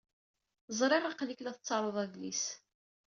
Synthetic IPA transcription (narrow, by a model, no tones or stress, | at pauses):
zˤɾˤeʁˤɑqliklæθət͡sːɑɾˤoðˤæðlḭs